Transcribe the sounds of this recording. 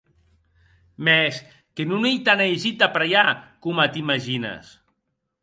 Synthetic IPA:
mɛs | kenunejt̪anejʒit̪apɾajakumat̪imaʒina̰s

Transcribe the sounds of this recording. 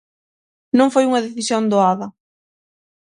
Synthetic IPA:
nõŋfojuŋɐðeθisjond̪oaðɐ

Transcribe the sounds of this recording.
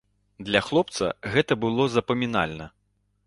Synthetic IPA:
d̪lʲɐxlˠɔp̚t̪sɐ̰ɣɛt̪ɐbɨlˠɔzɐpɐmʲina̰lʲnɐ

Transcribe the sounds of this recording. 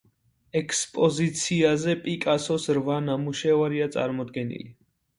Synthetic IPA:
ɛkʰspʼɔzit̪sʰiazɛpʼikʼasɔsɾvanamuʃɛvaɾiat̪sʼa̰ɾmɔd̪ɡɛnḭli

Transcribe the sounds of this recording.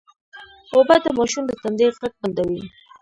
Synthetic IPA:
obad̪əmɑʃund̪ət̪and̪eʁaɡ̚band̪awi

